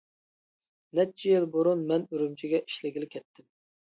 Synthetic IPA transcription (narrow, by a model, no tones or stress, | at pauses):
nɛt͡ʃʰijelboɾunmɛnøɾymt͡ʃʰiɡʲɛʔi̥ʃlɪɡʲilɪkʲʰɛt̪ʰːɪm